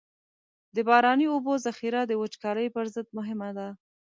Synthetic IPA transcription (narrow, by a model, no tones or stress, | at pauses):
d̪əbɑɾɑniobozaxiɾad̪əwət͡ʃkɑɾəjpəɾzəd̪̚mʊɦɪmad̪a